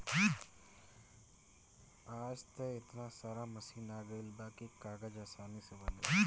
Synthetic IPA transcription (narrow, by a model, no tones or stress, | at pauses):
aːd͡ʒt̪ɐɪt̪nasaːɾamɐsiːnaːɡəɪlbaːkekaːɡəd͡ʒaːsaːnisebɐl